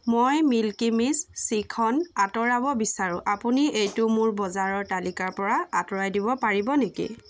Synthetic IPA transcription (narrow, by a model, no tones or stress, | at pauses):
mojmilkimisːikʰɔnatɔɹabɔbisaɹũʔapuniejtʊmʊɹbɔzaɹɔɹtalikaɹpɔɹaatɔɹajdibɔpaɹibɔnekḭ